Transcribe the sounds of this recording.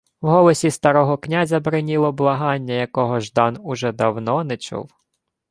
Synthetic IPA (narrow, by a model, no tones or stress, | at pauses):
wɦɔlˠɔsʲist̪ɐɾɔɦɔknʲazʲɐbɾɪnʲilˠɔblˠɐɦɑnʲːɐjɐkɔɦɔʒd̪ɑnʊʒɛd̪ɐwnɔnɛt͡ʃṵw